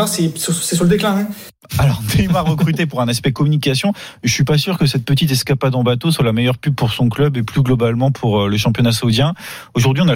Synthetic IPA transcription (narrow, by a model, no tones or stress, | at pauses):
aʁsɛssɛs̬uʁləd̪eklɛ̃ɛ̃ | alɔʁd̪emaʁəkχyt̪epuʁɛ̃naspɛkɔmynikʲasjɔ̃ | ʒəsɥipasyʁkəsɛt̪̚pət̪it̪̬ɛskapad̪ɑ̃bat̪oswalamɛjœʁpyb̚puʁsɔ̃klœbeplyɡlɔbalmɑ̃pʰuʁləʃɑ̃pjɔnasaud̪jɛ̃ | oʒuʁd̪ɥiɔ̃na